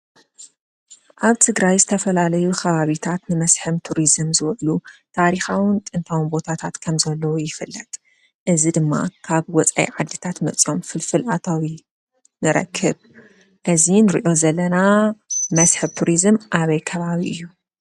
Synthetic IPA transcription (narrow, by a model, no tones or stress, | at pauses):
ʔaβt̪ʰɨɡɾajzɨt̪ʰɐfɐlalɐjukʰɐβaβit̪ʰat̪nɨmɐsħɨmt̪ʰuɾizɨmzɨwʕlut̪ʰaɾixawɨnt̪ʼɨnt̪ʰawnbo̞t̪ʰat̪ʰat̪kʰɐmzɐlːɐwojɪfɨlːɐt̪ʼ | ʔɨzid̪ɨmːa̰kʰaβwɔt͡sʼa̰jḭʕad̪ːit̪ʰat̪mɐt͡sʼo̞mfɨlfɨlʔat̪ʰawi | nɨɾɐ̰kʰːɨβ | ʔɨzinɨɾḭʔo̞zɐlːɐnamɐsħɨβt̪ʰuɾizɨmʔaβɐjkʰɐβaβiʔɨjːu